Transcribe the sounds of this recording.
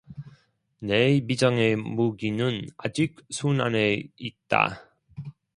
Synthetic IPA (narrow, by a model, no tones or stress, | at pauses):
nemid͡ʑʌŋe̞muɡinɯna̰d͡ʑik̚sʰunaneit̚t͈a̰